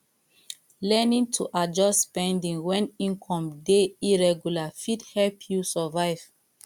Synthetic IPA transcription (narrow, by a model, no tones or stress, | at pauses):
lɛnĩŋtʰuʔad͡ʒɔsspɛ̃ndĩŋwɛ̃nĩŋkʰɔ̃mdeiɹɛɡjulafidhɛlpʰjusɔvaɪv̥